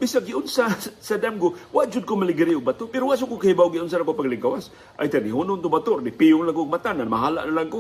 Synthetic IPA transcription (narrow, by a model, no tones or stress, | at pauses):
bɪsaɡɪʔʊnsasad̪amɡowaʔd͡ʒʊd̪̚kʊmalɪɡɾɪʔʊɡ̚bat̪ʊpɛɾowaʔs̬ʊkʊkahibawɡɪʊns̬anakopaɡlɪɡawas | ʔa̰jt̪anɪɦʊnʊnt̪ʊbat̪oɾdɪpiʊnlaŋkoːɡ̚mat̪ananmaɦala̰ʔnalaŋko